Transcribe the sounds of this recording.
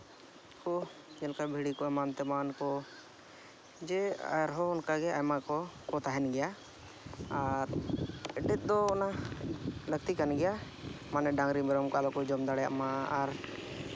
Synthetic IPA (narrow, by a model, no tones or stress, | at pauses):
kɔ | d͡ʒɛnkabʱiɽikɔɛmant̪ɛmankɔ | d͡ʒɛ̰ɾɦɔɔnkaɡɛajmakɔkɔt̪aɦɛnɡɛja | aɾ | ɖɛt̪̚d̪ɔːna | lək̚t̪ikanɡɛjamanɛɖaŋɾimɛɾɔmkɔalɔkɔd͡ʒɔmd̪aɽɛja̰ʔmaaɾ